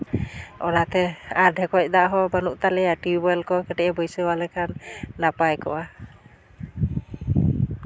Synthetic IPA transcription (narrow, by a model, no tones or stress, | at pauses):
ɔnat̪ɛaɾɖʱɛkɔc̚ˀd̪aʔɦɔbanuʔt̪alɛjaʈibibɔjlkɔkɛʈɛʔɛbɔjsəwalɛkʰanːapajkɔ̰wa